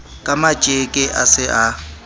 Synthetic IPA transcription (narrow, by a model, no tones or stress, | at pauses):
kʼamat͡ʃʼekʼɪʔa̰sɪʔa